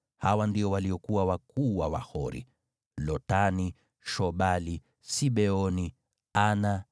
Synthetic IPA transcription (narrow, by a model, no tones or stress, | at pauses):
hawandiɔwaliɔkuwawakuːwawa̰hɔɾḭ | lɔtani | ʃɔɓali | siɓɛɔni | ana